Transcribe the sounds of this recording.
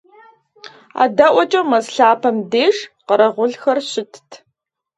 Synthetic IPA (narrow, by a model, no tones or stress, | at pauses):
a̰ːdɐʔʷɔt͡ʃʼɐmɐzɬaːpʰɐmdeːʂqəɾɐʁʷʊɮxɐrɕɪtʰtʰ